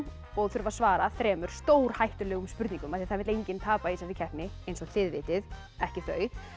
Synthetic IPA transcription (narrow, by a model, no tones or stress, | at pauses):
ɔɣθʏɾvasvaːɾaθɾɛːmʏɾ̥st̪oːwɾ̥hajht̪ʏɾlɛːɣʏmspʏɾt̪nĩŋkʏmaðθiaθaðvɪɾlejɲcɪnt̪ʰaːpaisafɪcʰɛhpnɪejnsɔɣθɪðvɪ̰ːt̪ɪð | ɛhcɪθœːɥ